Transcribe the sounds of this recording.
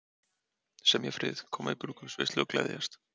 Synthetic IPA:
sɛmjɛfɾɪðkʰɔːmaipɾukʏ̥svḛst̪lɪɔklɛ̰ðjast̪

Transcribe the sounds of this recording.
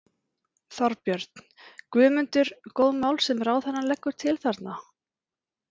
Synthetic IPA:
θɔɾpjœɾt̪n̥kvʏːmʏnt̪ʏɾkoːwðmaːwlsɛmraːwθɛnːalɛkːʏɾ̥t̪ʰɪlθaɾt̪na

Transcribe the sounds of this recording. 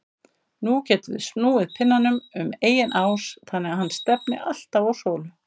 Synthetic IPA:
nucɛːt̪ʏðɪ̰st̪nuːɪðpʰɪnːanːʏmʏmeːjɪnʔaːwsθanːɛahanːst̪ɛpnɪ̰ʔal̥t̪awɔwsoːwlʏ

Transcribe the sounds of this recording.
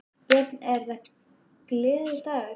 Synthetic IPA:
jɛt̪nɛɾða | klɪːðɪt̪aːɣ

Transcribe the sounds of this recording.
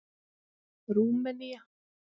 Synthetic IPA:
ɾuːmːɛnija

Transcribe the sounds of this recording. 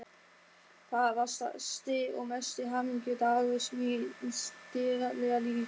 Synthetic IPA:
θaðavast̪a̰st̪ɪɔ̰ɣmɛst̪ɪɦaːmiɲcʏt̪aɣɪsmist̪ɪːɾalɛɣaliː

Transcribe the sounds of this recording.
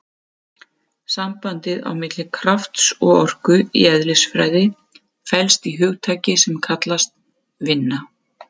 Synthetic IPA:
sampant̪ɪða̰wmɪt̪lɪkʰɾaft̪sɔɣɔr̥kʏḭɛðlɪsfɾa̰ːjðɪ | fɛlst̪iɦʏɣt̪ʰaːjcɪsɛmkʰat̪last̪̚ | vɪnːa

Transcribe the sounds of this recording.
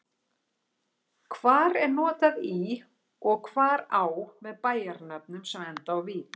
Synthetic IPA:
kʰvaːɾɛɾnɔːt̪aði | ɔɣkʰvaːɾaːwmɛðpaːjaɾnapnʏmsɛmɛnt̪awvi

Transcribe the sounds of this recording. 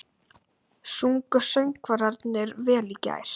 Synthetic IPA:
suŋkœsœɥŋkvaɾaɾt̪nɛɾvɛːliːca̰ːjɾ̥

